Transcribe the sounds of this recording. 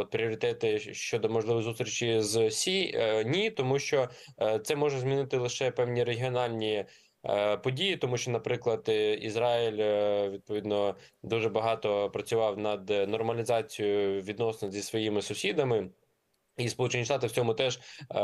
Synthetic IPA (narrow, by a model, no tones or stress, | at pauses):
ɔt̪̚pɾʲiɔɾʲɪt̪ɛt̪ɪʃt͡ʃɔd̪ɔmɔʒlˠɪʋɔjzust̪ʲɾʲit͡ʃizsʲinʲit̪ɔmuʃt͡ʃɔt̪sɛmɔʒɛzʲmʲinɪt̪ɪlˠɪʃɛpɛwnʲiɾeɦʲiɔnɑlʲnʲi | pɔdʲijit̪ɔmuʃt͡ʃɔnɐpɾɪklˠɐd̪izɾɑilʲʋʲid̪̚pɔʋʲid̪nɔ | d̪uʐɛbɐɦɑt̪ɔpɾɐt͡sʲʊʋɑwnɐd̪nɔrmɐlʲizɑt͡sʲijʊʋʲid̪nɔsnɔzʲisʋɔjimɪsʊsʲid̪ɐmɪ | ispɔlˠut͡ʃenʲiʃt̪ɑt̪ɪwt͡sʲɔmʊt̪ɛʒ